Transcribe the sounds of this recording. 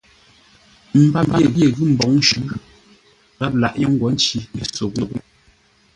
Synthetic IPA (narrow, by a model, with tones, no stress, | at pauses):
m̩˨ba˦˨m˦e˨ɣje˨ɣʉ˦m̩˨bɔ˨˦ŋn˦ʃʉ˨˦ | ɣa˦p̚la˨ʔjɔ˦ŋ̩˦ɡwɔ˨˦n˦t͡ʃi˦i˨so˨ɣo˨k̚